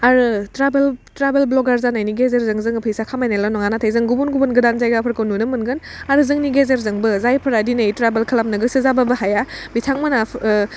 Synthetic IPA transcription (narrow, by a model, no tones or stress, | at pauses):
aɾɯtɾabeltɾabelblɔɡaɾzanajniɡezeɾzɯŋzɯŋpʰɯjsakʰamajnalanɔŋanatʰajzɯŋɡubunɡubunɡɯdanzajɡapʰɯɾkɯwnunɯmɯnɡɯnaɾɯzɯŋniɡezeɾzɯŋbɯzajpʰɯɾadinɯjtɾabelkʰɐlap̚nɯɡɯsɯzababɯɦajabitʰaŋmɯna